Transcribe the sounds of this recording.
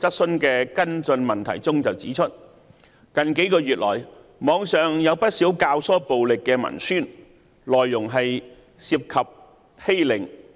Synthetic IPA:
t͡sɐ˥t̚sɵ˥nkɛː˧kɐ˥nt͡sɵ˧nmɐ˨˩nt̪ʰɐ̰˨˩jt͡sʊ˥ŋt͡sɐ˨wt͡siː˨˥t͡ʃʰɵ˥t̚ | kɐ˨nke˨˥jkɔː˧ɥyː˨t̚lɔː˨˩j | mɔː˨˧ŋsœː˨ŋjɐ˨˧wpɐ˥t̚siː˨˥wkaː˧wsɔː˥po˨wlɪ˨kːɛː˧mɐ̰˨˩nsyː˥˩n | lɔː˨jːʊ˨˩ŋɦɐ˨j | siː˧p̚kʰɐ˨p̚ | he˥jlɪ˨˩ŋ

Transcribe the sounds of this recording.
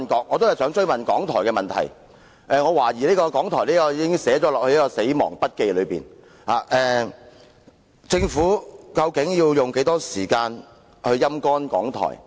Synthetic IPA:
nkɔː˨˥k̚ŋːɔ˨˧t̪o˥whɐ˨˩jsœː˨˥ŋt͡ʃɵ˥ɥmɐ˨nkɔː˨˥ŋt̪ʰɔ̰ː˨˩jkɛː˧mɐ˨nt̪ʰɐ̰˨˩j | ʔɛː˨ŋɔː˨˧waː˨˩jiː˨˩leː˥kɔː˧kɔː˨˥ŋt̪ʰɔː˨˩jleː˥kɔː˧jiː˨˧kɪ˥ŋsɛː˨˥t͡ʃɔː˨˥lɔː˨k̚hɵ˧jɐ˥kɔː˧se˨˥jmɔ̰ː˨˩ŋpɐ˥t̚ke˧jlɵ˨˧ɥpiː˨˩n | haː˨˩ʔɛː˨ | t͡sɪ˧ŋfuː˨˥kɐ˧wkɪ˨˥ŋjiː˧wjʊ˨ŋke˨˥jt̪ɔː˥siː˨˩kaː˧n | hɵ˧ɥjɐ˥mkɔː˥nkɔ̰ː˨˥ŋt̪ʰɔ̰ː˨˩j

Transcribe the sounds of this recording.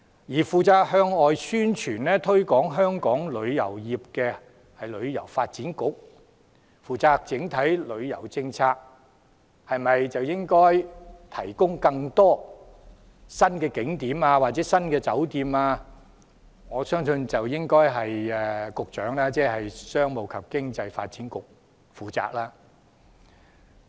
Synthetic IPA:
jiː˨˩fuː˨˧t͡saː˧k̚hœː˧ŋɔː˨jsyː˥nt͡ʃʰyː˨˩nlɛː˥t̪ʰɵ˥ɥkɔː˨˥ŋɦœː˥ŋkɔː˨˥ŋlɵ˨˧ɥjɐ̰˨˩wjiː˨p̚kɛː˧ | hɐ˨jlɵ˨˧ɥjɐ̰˨˩wfaː˧t̚t͡siː˨˥nkʊ˨˥k̚ | fuː˨t͡saː˧k̚t͡sɪ˨˥ŋt̪ʰɐ˨˥jlɵ˨˧ɥjɐ̰˨˩wt͡sɪ˧ŋt͡sʰaː˧k̚ | hɐ˨jmɐ˨jt͡sɐ˨wjɪ˥ŋkɔː˥jt̪ʰɐ̰˨˩jkʊ˥ŋkɐ˧ŋt̪ɔː˥ | sɐ˥nkɛː˧kɪ˨˥ŋt̪iː˨˥maː˧waː˨˩t̚t͡sɛː˨˥sɐ˥nkɛː˧t͡sɐ˨˥wt̪iː˨˧maː˧ | ŋɔː˨˧sœː˥ŋsɵ˧nt͡sɐ˨wjɪ˥ŋkɔː˥jɦɐ˨jɛ˨˧kʊ˨k̚t͡ʃœː˨˥ŋlaː˥t͡sɛː˥hɐ˨jsœː˥ŋmo˨˧wkʰɐ˨p̚kɪ˥ŋt͡sɐ˧jfa̰ː˧t̚t͡siː˨˥nkʊ˨k̚ | fuː˨˩t͡sa̰ː˨k̚laː˥

